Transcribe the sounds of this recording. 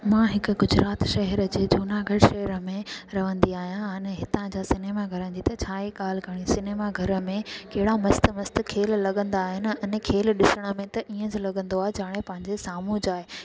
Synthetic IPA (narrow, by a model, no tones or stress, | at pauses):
mãɦɪkʊɡʊd͡ʑɾaːt̪ʃɐɦɛɾəd͡ʑeːd͡ʑuːnaɡʱɐɽʃɐɦɛɾə̆mẽɾɐʋə̃nd̪iaːɦijãɪnɦɪt̪ãd͡ʑaːsɪneːmaɡʱɐɾə̃nd͡ʑ̪it̪ɐt͡ɕʰaːekaːlkəɽ̃isɪneːmaɡʱɐɾə̆mẽkɐɦɪɽamɐst̪̆mɐst̪̆kʰeːllɐɠə̃nd̪aːɦɪnɪ̆ɐnkʰeːlɗɪsəɽ̃ə̆mẽt̪ɐʔiːə̃d͡ʑɪlɐɠə̃nd̪oaːɦed͡ʑaːɽ̃epɐ̃ɦɪ̃ɲd͡ʑesaːmud͡ʑaːɦeː